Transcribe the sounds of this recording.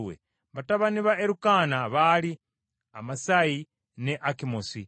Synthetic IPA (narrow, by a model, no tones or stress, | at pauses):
wḛ | βataβaniβaeɾukaːnaβali | a̰masai | neʔakimosi